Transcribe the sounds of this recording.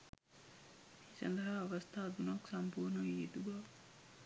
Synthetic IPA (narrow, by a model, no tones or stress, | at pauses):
meːsɐ̰nd̪ɐɦaːʋɐst̪ʰaːd̪unoksɐmpuːɾnɐiet̪uɡaʋ